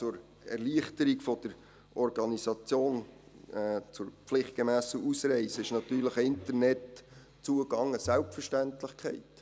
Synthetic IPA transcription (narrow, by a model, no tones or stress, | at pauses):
t͡sʊɾ | ɛ̰rliəχtəɾikfɔd̥̪əɾ | ʔɔɾɡɑnisɑt͡sjoːn | t͡sʊɾpflɪχt̚ɡ̥emæːsəʔusɾɛɪsəɪʃnɑtyːɾləχəɪnt̪ərnɛt | t͡suəɡɑŋəsælp̚fəʃtæntləχkχɛ̰ɪt